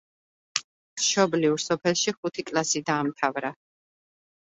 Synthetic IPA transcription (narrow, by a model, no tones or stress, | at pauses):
ʃɔbliuɾsɔpʰɛlˠʃiχut̪ʰikʼlasid̪aːmt̪ʰavɾa